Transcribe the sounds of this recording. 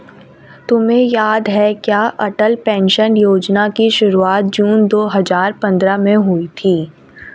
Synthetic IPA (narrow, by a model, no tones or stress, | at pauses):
t̪ʊmẽjaːd̪ɦɛkjaːʔɐʈəlpɛ̃ːnʃənjoːd͡ʒnakiʃʊɾuaːt̪̚d͡ʒuːnd̪oːɦɐzaːɾpɐ̃nd̪ɾamẽɦʊit̪ʰiː